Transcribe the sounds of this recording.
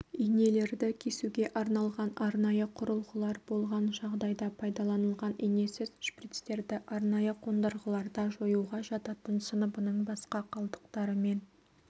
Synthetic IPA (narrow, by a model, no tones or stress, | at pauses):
ijne̞le̞ɾd̪ɪkʲʰe̞suɡʲe̞ʔɑɾnɑlˠʁɑnɑɾnɑjəqʰʊɾəlˠʁəlˠɑɾbo̞lˠʁɑnʒɑʁd̪ɑjd̪ɑpʰɑjd̪ɑlˠɑnəlˠʁɑnijne̞sɪzʃprit̪st̪e̞ɾd̪ɪʔɑɾnɑjəqʰond̪əɾʁəlˠɑɾd̪ɑʒo̞juʁɑʒɑt̪ɑt̪ənsənəbənəɴbɑsqɑqʰɑlˠd̪ə̥q̚t̪ɑɾəme̞n